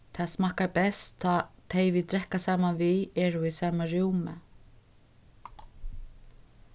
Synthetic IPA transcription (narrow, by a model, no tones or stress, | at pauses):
t̪ʰaːsmaːkaɹpɛst̪ʰːɔt̪ʰejvit̪ɾɛhkasaːmanviɛːɾuisaːmaɹjuwmɛ̰